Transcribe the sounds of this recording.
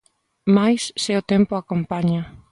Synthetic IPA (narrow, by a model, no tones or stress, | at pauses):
majsːeot̪empoakompaɲa